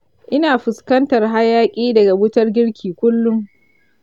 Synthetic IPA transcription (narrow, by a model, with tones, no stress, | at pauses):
ʔɪ˦naː˨ɸʊ˨skɐ˦ntɐ˨rɦa˦jaː˦kʲʼiː˦dɐ˨ɡa˨wʊ˦tɐ˦rɡʲɪ˦ɽkʲʰiː˨kʷʊ˦lːʊ˦ŋ